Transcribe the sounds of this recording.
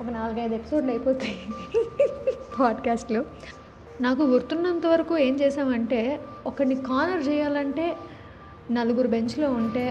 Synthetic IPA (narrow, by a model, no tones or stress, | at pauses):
ɔkɐnaːluɡɐjd̪ɐepi̥so̞ːɖlɐjpoːt̪aːjini | pʰaːɖkaːsʈlo | naːk̬uɡuɾt̪unːɐnt̪ɐʋɐɾɐkuːe̞ːmt͡ʃɛːʃaːmɐɳʈe̞ːɔkɐnːikaːnɐɾt͡ʃɛːjaːlɐɳʈe̞ː | nɐlɐɡuɾube̞ɲt͡ʃlo̞ːuɳʈe̞ː